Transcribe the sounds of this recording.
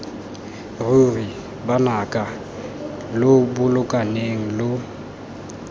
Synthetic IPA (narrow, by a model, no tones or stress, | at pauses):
ruri | banakʼa | lʊbʊlʊkʼaneŋ̩lʊ